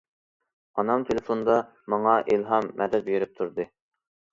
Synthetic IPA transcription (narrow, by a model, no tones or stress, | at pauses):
ɑnɑmt̪ʰelɪfond̪ɑ | mɑŋɑʔilˠɦɑmːɛd̪ɛt̪̚jyɾyp̚t̪ʰuɾd̪ɨ